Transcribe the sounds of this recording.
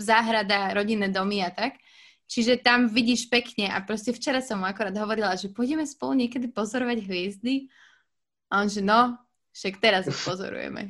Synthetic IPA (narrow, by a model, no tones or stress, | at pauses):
zaːɦɾad̪aɾɔɟinːɛːd̪ɔmiat̪ak | t͡ʃiʒɛt̪amʋiɟiːʃpɛkɲɛa̰pɾɔscɛft͡ʃɛɾasɔmuakuɾaːd̪ɦɔʋɔɾilaʒɛpɔjɟɛmɛspɔluɲɪɛkɛd̪ipɔzɔɾɔʋaɟɦʋɪɛzd̪i | aɔnʒɛnɔ | fʃakt̪ɛɾazpɔzɔ̰ɾṵjɛ̰mɛ̰